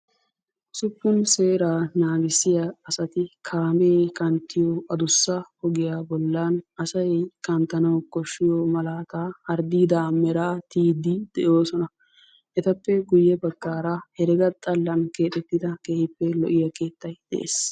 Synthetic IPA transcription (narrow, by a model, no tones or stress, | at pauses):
sʊpːʊnse̞ːɾaːnaːɡɪsɪjɐɐsɐt̪ɪkʰaːmeːkɐnt̪ːɪjoʔɐd̪ʊsːɐhɔɡɪjaːbɔlːɐnɐsɐjkɐnt̪ːɐnɐwkɔʃːɪjomɐlaːt̪aːɐɾd̪iːd̪aːmɛɾaːt̪iːd̪ɪd̪̥ɛʔoːsɔnɐ | ʔɛt̪ɐpːɛɡʊjːɛbɐɡːaːɾahɛɾɛɡɐt̪ʼɐlːɐnke̞ːt̪ʼɛt̪ːɪd̪ɐkeːhɪpːɛlɔʔɪjɐke̞ːt̪ːɐjd̪̥ɛ̰ʔḛːs